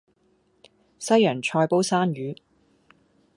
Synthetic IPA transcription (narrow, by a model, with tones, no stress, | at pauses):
sɐ˥jːœː˨˩ŋt͡ʃʰɔː˧jpo˥wsaː˥nɥyː˨˥